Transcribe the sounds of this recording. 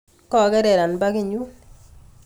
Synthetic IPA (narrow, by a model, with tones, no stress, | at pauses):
kɔ˦˨kɛ˦ɾɛ˨ɾa˨nba˦kɪ˦˨ɲu˦n